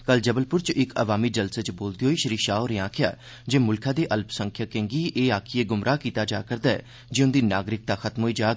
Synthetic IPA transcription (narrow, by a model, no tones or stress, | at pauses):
kəld͡ʒəbəlpʊɾt͡ʃɪkəʋaːmiːd͡ʒəlset͡ʃboːld̪iɦoːiːʃəɾiːʃaːoːɾeãːkʰɪja̰ː | d͡ʒeːmʊlkʰaːd̪eːʔəlpsəŋkʰjaːkẽːŋɡiːʔeːaːkʰieːɡʊmɾʔaːkiːt̪aːd͡ʒaːkəɾd̪aːɛ̰ː | d͡ʒeːʊnd̪iːnaːɡɾɪk̚t̪aːxət̪mɦoːiːd͡ʒaː